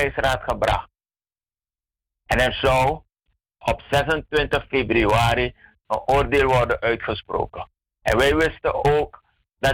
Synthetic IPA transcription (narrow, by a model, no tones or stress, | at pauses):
ɛjsraːtχəbrɑ̰χt̚ | ʔɛnɛrzɔw | ɔpsɛsəntʋɪntəχfebryaːɾi | ənʔoːrdeːlˠʋɔrdənʔœɥtχəspro̰ːkə | ɛ̰nʋɛjʋɪstəoːk | dɑ